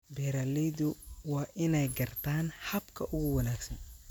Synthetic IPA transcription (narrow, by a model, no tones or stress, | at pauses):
bɛːɾalɛjdʊwɑːʔɪnɛjɡɐrt̪ʰaːnhɐbkʰɐʔʊɣʊwɐnaːɡsɐn